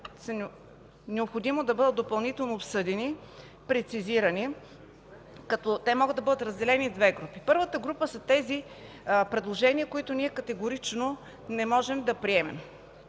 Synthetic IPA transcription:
sn | nɛopxod̪imod̪ɐbɤd̪ət̪̚d̪opɐlˠnit̪ɛlˠnoːpsɤd̪ɛni | pɾɛt̪siziɾɐni | kɐt̪ɔt̪ɛmɔɡɤəd̪ɐbɤd̪ət̪ɾəzd̪ɛlɛnid̪vɛɡɾupipɤɾvət̪əɡɾupəsət̪ɛzi | pɾɛd̪lˠoʒɛniəkoit̪ʊniɛkɐt̪ɛɡʊɾit͡ʃno | nɛmɔʒɛmd̪ɐpɾiɛmɛ̰m

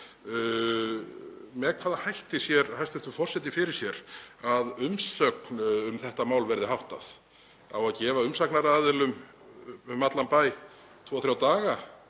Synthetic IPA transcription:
mɛkʰvaːðahajht̪ɪsjɛɾhajst̪ɪ̥t̪ʏfɔr̥sɛt̪ɪfɪɾɪɾ̥sjɛɾaðʏmsœknʏmθɛht̪amaːwlvɛɾðɪɦawht̪a̰θ | awaðcɛːvaʏmsaknaɾaːðɪlʏm | mat̪lanpaːj | t̪ʰvɔːawθɾjawt̪aːɣa

